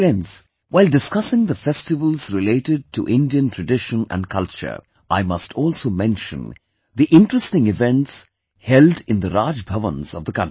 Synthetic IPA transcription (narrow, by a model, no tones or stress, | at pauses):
ɛ̃nz | waɪldɪskʌsɪ̃ŋd̪əfɛstɪʋəlˠzɾɪleɪʈɪɖ̚ʈʰuʔɪ̃nɖiə̃ntʰɹəɖɪʃə̃næ̰̃nɖkʰʌlt͡ʃə̰ɾ | ʔaɪmʌstʰɔːlˠsoːmɛ̃nʃə̰̃n | ðiʔɪ̃nʈɹəstɪ̃ŋɪvɛ̃nʈs | hɛlɖɪ̃nd̪əɾaːd͡ʒbʱʌvə̰̃nzʌ̰vd̪əkʌ̃nti